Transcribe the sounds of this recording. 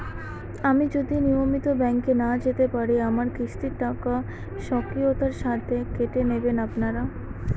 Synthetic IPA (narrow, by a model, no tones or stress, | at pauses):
amid͡ʑod̪inijomit̪obɛŋkenad͡ʑet̪epaɾiamaɾkɾiʃt̪iɾʈaka | ʃɔkɾiot̪aɾʃat̪ʰekeʈenebenapnaɾa